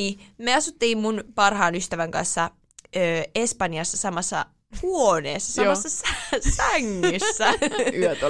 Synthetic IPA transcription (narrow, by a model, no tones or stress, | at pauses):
iːmeɑsut̪ːeimmunpɑrhɑːnyst̪æʋæŋkɑ̰nsːɑ | øːespɑniɑsːɑsɑmɑsːɑ̰ | huonḛːsːɑsɑsːɑsæsæŋːysːæyøt̪o